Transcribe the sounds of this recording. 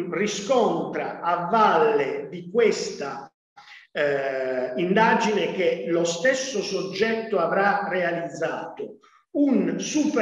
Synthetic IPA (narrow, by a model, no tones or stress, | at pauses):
riskɔnt̪ɾaavːalːed̪ikwest̪a | ind̪aːd͡ʒinek̟elost̪ɛsːosod͡ʒːɛt̪ːoavɾarealid̪zːaːt̪o | unsup